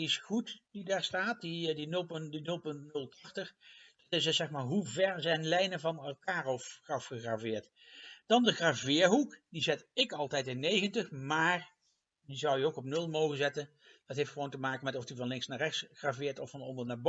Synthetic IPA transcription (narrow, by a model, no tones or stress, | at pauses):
diɪsχutdidaːɹstaːt̚didinɵlˠpdinɵlˠpɵntnɵlˠtʰɑχtəχd̥ɑtɪssɛxmaːɹɦuvɛɹzɛjnlɛjnəvɑnɛlˠkaːrɔfχɑfχəχraːvɪːɹt | d̥ɑndəχraːvɪːɹɦukdizɪtɪkɑlˠtɛjtɪnːejɣəntəχmaːɹ | dizʌwjəowkɔp̚nɵlˠmowχənzɛtən | d̥ɑtɦejftχəʋowntəmaːkəmɛtɔfdivɑnlɪŋsnaːɹrɛxtsχravɪːɹtɔfɑnɔndəɹnaːɹbo